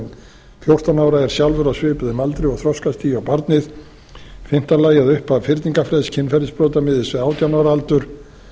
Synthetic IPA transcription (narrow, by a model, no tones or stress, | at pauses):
n | fjowr̥t̪anaːwɾaɛɾ̥sjawlvʏɾasvɪːpʏðʏmalt̪ɾɪɔɣθɾɔskast̪ivawpaɾt̪nɪð | fɪm̥t̪alaːjaðʏhpavfɪɾt̪niŋkafɾɛðscʰɪnːfɛɾɪspɾɔwt̪amɪːðɪsvɛaːwt̪janaːwɾaalt̪ʏɾ̥